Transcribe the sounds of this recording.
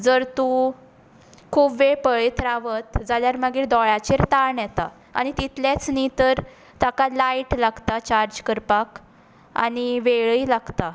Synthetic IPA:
d͡zəɾt̪ũ | kʰuːbʋepəɭit̪ɾaʋət̪d͡zaljaɾməɡiːɾd̪ɔɭat͡ɕeɾt̪aɾɳjɛt̪a̰ | a̰ñit̪it̪ljat͡snit̪əɾ | t̪akalajʈlaɡt̪at͡ɕaɾd͡ʑkəɾpak | a̰niʋeɭilaɡt̪a

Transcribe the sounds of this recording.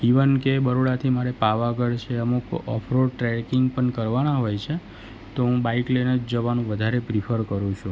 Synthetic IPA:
ɦiʋənkebəɾoɽat̪ʰimaɾepaʋaɡəɽt͡ʃʰeəmukɔ̰pʰɾoʈɾɛkɪŋɡpəɳkəɾʋanaɦojt͡ʃʰe | t̪oɦũbaiklenəd͡ʒd͡ʒəʋanũʋəd̪ʱaɾepɾipʰəɾkəɾũt͡ʃʰũ

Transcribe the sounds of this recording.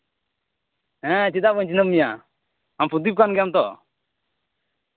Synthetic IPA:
ɛ̃t͡ʃid̪abəɲt͡ʃinəmija | ampʰud̪ip̚kanɡjamt̪ɔ̰

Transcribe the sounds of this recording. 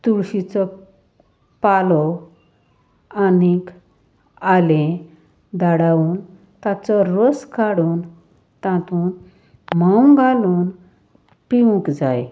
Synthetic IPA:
t̪uɾɕit͡sɔ | palɔ | anik | alẽ | d̪aɽauːn | t̪at͡sɔɾɔskaɽuːn | t̪ãt̪uːn | mawŋɡaluːn | piʋũkd͡zaj

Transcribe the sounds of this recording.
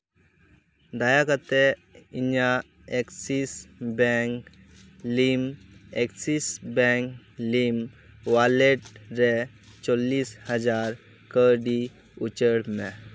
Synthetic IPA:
d̪ajakət̪eiɲa | eksiːsbɛk | limeksisbɛ̃ŋklim | ʋaleʈɾe | t͡sɔlːiːshəd͡zaɾ | kəɖi | ut͡ɕəɽmɛ

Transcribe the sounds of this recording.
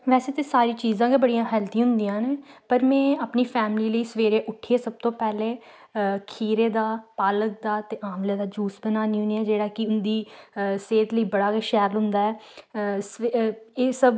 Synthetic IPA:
ʋɛːseːt̪eːsaːɾiːt͡ʃiːzãːɡebəɽijãːɦɛːlt̪ĩːɦʊ̃nd̪ijãːneːpəɾmɛ̃ːaːpniːpʰɛːmliːləiːsəʋeːɾeːʔʊʈʰːeːsəb̚t̪õːpɛːleː | kʰiːɾeːd̪aːpaːlək̚d̪aːt̪eːʔaːmleːd̪aːd͡ʒuːsbənaːniːʊniːɛːd͡ʒeːɽaːkɪʊnd̪iːseːt̪ləiːbəɽaːkːʃɛːɾlɦʊ̃nd̪aːɛːseːsəb

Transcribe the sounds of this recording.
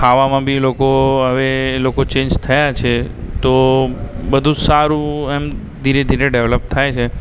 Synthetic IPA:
kʰaʋamãbʱilokoɦəʋelokot͡ʃẽnd͡ʒt̪ʰəjat͡ʃʰet̪o | bəd̪ʱũsaɾũem | d̪ʱiɾed̪ʱiɾeɖeʋləp̚t̪ʰajt͡ʃʰe

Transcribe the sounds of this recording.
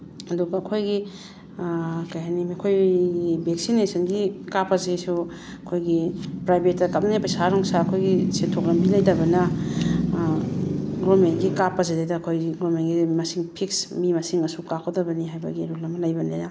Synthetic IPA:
ɐduɡɐɐkʰojɡi | kajɦanimikʰojɡibeksinesɐnɡikapɐzesu | ɐkʰojɡipɾajbʱetːɐkap̚niŋajpɐjsaɾɔŋsaɐkʰojɡisentʰokɾɐmbilajdɐbɐnɐ | ɡɾomenɡikapɐzedejdɐkʰojɡɾomenɡimɐsiŋpʰiksmimɐsiŋɐsukakʰowdɐbɐniɦajbɐ̰ɡiɾulɐmɐlajbɐneja

